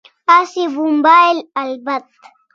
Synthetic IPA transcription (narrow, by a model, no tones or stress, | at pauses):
asibumbaelalbat̪̚